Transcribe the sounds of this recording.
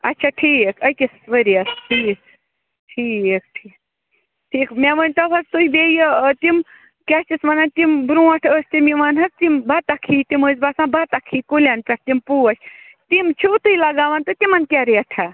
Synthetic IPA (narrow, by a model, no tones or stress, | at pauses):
ɐ̰tːt͡ʃʰaʈʰiːkɐjk̪ʲisʋəɾiɐsʈʰiːk | ʈʰiːkʈʰiːk | ʈʰiːkmʲɛʋənʲt̪ɐbʰɐst̪uibejt̪im | kʲast͡ʃ̪ismɐnant̪imbɾũɐʈʰəsʲt̪imiʋanɦɐst̪imbat̪akʰit̪iməzbasãbat̪akʰiːkulʲanpʲɐʈ̚ʰt̪impuːɐsʲ | t̪imt͡ʃʰut̪ujlɐɡaːʋant̪ɨt̪imɐnt̪ʲaɾiɐʈʰa